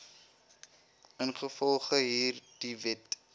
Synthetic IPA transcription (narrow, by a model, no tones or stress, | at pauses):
ənχəfɔlˠχəɦiːrd̥ivɛt